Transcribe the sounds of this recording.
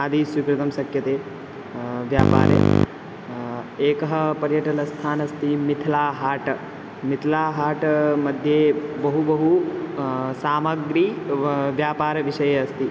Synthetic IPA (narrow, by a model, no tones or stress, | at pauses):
ɐd̪isʋikɾut̪ɐmsɐkʰjɐt̪eː | ʋja̰ːpa̰ːɾjḛ | eːkɐɦɐpɐɾjɐʈɐlɐst̪ʰaːnɐst̪imit̪ʰɐlaːɦaːʈɐ | mit̪ʰlaːɦaːʈmɐd̪ʱjeːbɐɦubɐɦu | saːmɐɡɾiːʋjaːpaːɾɐʋiʃɐjeɐst̪i